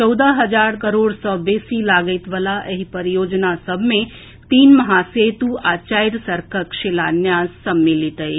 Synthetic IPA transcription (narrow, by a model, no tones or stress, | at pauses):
t͡ʃɔwd̪aɦɐd͡ʒaːɾkəɾoːɽsɔːbeːsilaːɡəjt̪ʋəlaʔeɦipəɾijoːd͡ʒnasəbʱmẽ | t̪iːnmɐɦaseːt̪uaːt͡ʃaːjɾsəɾkʰəkʃelaːnjaːzsəmːilit̪əj